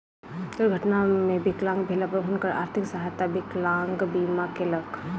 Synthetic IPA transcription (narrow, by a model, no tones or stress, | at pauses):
k̪əɾɡʱəʈnamẽbɪklãːŋɡbʱeːlapəɾɦʊnkəɾa̰ːɾt̪ʰɪksəɦajt̪abɪklãːŋɡbiːmakeləkʰ